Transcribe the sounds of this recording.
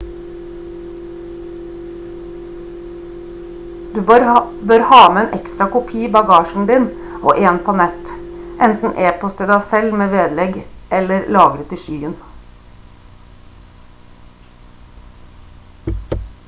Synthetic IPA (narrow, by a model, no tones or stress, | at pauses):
d̪ʉːɾ | bøːɾhɑːməeːnʔɛkst̪ɾɑkʊpʰiːbɑɡɑːʃn̩d̪iːn | ʔo̰ːʔeːnpʰoːnɛt̪ʔɛnt̪n̩ʔeːpɔst̪ʰɪd̪æɪsɛlmeːʋeːd̪lɛɡʔɛləɾlɑːɡɾət̪ɪʃyːən